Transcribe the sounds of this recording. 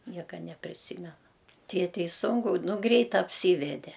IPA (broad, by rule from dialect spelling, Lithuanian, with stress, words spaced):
ˈnʲiɛkɐ nʲɛpʲrʲɪˈsʲiːmʲɛnɐ ˈtʲeːtʲɛɪ ˈsʊŋkʊ ˈnʊ ˈɡrʲɛɪt ɐpʲˈsʲiːʋʲɛdʲɛ